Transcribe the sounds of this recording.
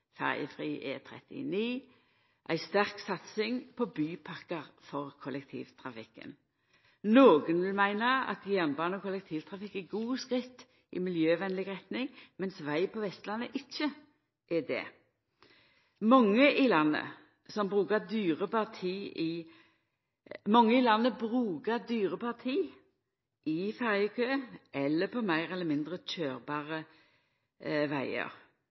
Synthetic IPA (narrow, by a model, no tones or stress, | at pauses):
fɛ̰ʁjə̰fʁiːʔɛt̪ʰʁɛ̰t̪ɪ̰niː | ʔæ̰ɪst̪æʁksɑt̪sɪŋpʰɔbyːpʰɑkəʁfɔʁkʰɔlɛk̚t̪ʰḭːʋt̪ʰʁɑfɪkːə̰n | noːɡənʋɪlmæɪnəɑ̰t̪ɡjænbɑːnəɔkʰɔlɛk̚t̪ʰiːʋt̪ʰʁɑfɪkːɛɡuːskʁɪt̪ː | ʔɪ̰mɪljøːʋɛnlɪɡʁɛt̪nɪŋmɛnsʋæɪpʰɔʋɛst̪lɑnːəʔɪc͡çːə | ʔɛd̪ɛ̰ | mɔŋːəʔɪlɑnːə̰ | sɔmbʁʉːkəd̪yːʁəpɑʁt̪ʰiːɪ | mɔŋːəɪlɑnːəbɾʉːɡəd̪yːʁəpʰɑʁt̪ʰiː | ʔɪfɛʁjəkʰøːʔɛlːəpʰɔmæɪʁɛlːəmɪnd̪ʁəc͡çøːɾbɑːʁə | ʋæɪə̰ɾ